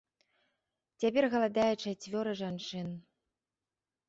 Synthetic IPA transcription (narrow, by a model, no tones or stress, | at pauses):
t͡sʲapʲɛrɣɐlˠad̪ajɛt͡ʂat͡sʲvʲɔɾɨʐant͡ʂɨn